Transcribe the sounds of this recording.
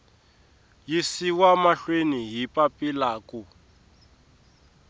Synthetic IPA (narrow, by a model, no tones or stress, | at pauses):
jisiwamaɬweniɦipʼapʼilaːku